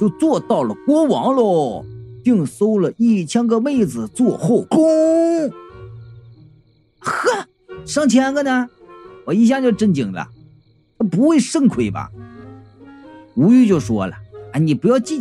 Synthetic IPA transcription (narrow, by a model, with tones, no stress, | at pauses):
t͡ɕjo˥˧ʊt͡swɔ˥˧t̪ɑ˥˩ʊlə˩kwɔ˥wɑ˧˥ŋlɔ˥˧˩pi˥˩ŋso˥ʊlə˨i˥˩t͡ɕʰjɛ˥nkɤ˥me˥˧ɪd͡zɹ̩˨t͡swɔ˥˧xo˥˩ʊkʊ˥ | xa˥˩ | ʂɑ˥˩ŋt͡ɕʰjɛ˧˥nɡə˥˧na˧ | wɔ˨˩i˥˩ɕ̬ja˥˧t͡ɕjo˥˧ʊʈ͡ʂə˥˩nt͡ɕi˨˩ŋlə̰˧˩ | t̪ʰa˥pu˧˥xwe˥˧ɪʂə˥ŋkʰwe˨˩ɪbɐ̰˩ | u˧˥y˥˧t͡ɕjo˥˩ʊʂwɔ̰˥lə̰˨˩a˥ɪni˨˩pu˧˥jɑ˥˧ʊt͡ɕi˥˩